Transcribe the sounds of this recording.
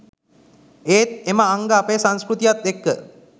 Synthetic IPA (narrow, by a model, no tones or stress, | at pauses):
eːt̪̚eməaŋɡəːpejsaŋskɾut̪ijat̪̚ekːə